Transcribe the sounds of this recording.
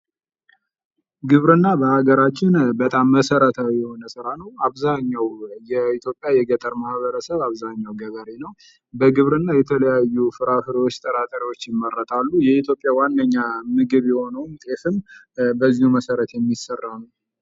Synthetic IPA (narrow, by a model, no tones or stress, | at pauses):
ɡɨβɾɨnːabəhaɡəɾat͡ʃːɪnbət̪ʼamːəsəɾət̪ʰawijjɛho̞nəsɨɾanəwaβzaɲːawjɛit̪ʰjo̞pʼjajɛɡət̪ʼəɾmahβəɾəsəβaβzaɲːawɡəβəɾenəw | bəɡɨβɾɨnːajɛt̪ʰələjajːufɨɾafɨɾwot͡ʃːt̪ʼəɾʼat̪ʼəɾiwo̞t͡ʃːjɪmːəɾːət̪ʰalːujɛit̪ʰjo̞pʼːjawanːəɲːamɨɡɨβjɛho̞nəwmt̪ʼefɨm | bəzːihuməsəɾət̪jɛmːisərːanuw